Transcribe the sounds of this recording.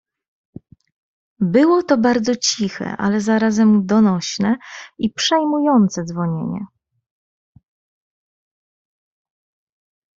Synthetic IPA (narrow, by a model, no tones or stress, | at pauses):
bɘwɔt̪ɔbaɾd̪zɔt͡ɕixɛ̰ʔa̰lɛzaɾazɛmd̪ɔnɔɕnɛipʂɛjmujɔnt̪sɛd̪zvɔɲḛɲɛ̰